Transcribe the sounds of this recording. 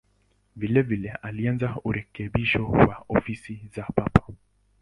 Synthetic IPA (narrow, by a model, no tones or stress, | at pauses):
vilɛvilɛalianzauɾɛkɛɓiʃɔwa̰ɔfisizapapḁ